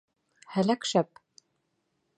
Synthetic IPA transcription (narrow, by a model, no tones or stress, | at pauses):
hælækʃæp